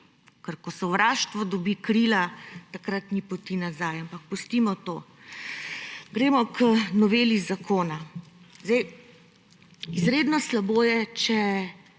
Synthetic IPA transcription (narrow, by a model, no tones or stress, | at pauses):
kəɾkɔsɛwɾaːʃt̪ʋɔd̪ɔbikɾilat̪akɾat̪nipɔt̪inazajampak̚pust̪imɔt̪oː | ɡɾeːmɔkʰənɔʋeːlizakʰoːnazd̪ɛj | izɾeːd̪nɔslaboːjɛt͡ʃɛ